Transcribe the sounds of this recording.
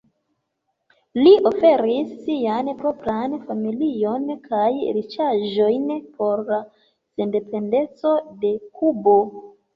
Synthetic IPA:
liʔo̞fe̞ɾisːianpɾo̞pɾanfamilio̞nkʰajɾit͡ʃaʒo̞jnpʰo̞ɾla | se̞nde̞pe̞nde̞t͡so̞de̞kubo̞

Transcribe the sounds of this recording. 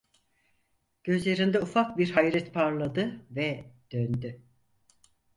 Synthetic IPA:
ɟ̥ø̞zlʲe̞ɾind̪ɛufak̚biɾɦajɾɛt̪pʰaɾlˠad̪ɯvɛd̪̥ønd̪y

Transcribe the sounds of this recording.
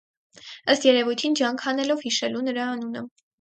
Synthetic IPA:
əst̪jɛɾɛvujt̪ʰind͡ʒjɑŋkʰhɑnɛlɔvhiʃɛlunəɾɑːnunə

